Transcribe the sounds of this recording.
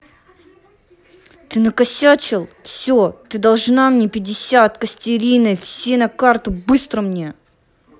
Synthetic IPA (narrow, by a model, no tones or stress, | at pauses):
t̪ɨnəkɐsʲat͡ɕɪlˠfsʲot̪ɨd̪ɐlˠʐnamnʲepʲɪdʲɪsʲat̪kəsʲtʲɪɾʲinɨjfsʲenɐkart̪ʊbɨst̪ɾəmnʲe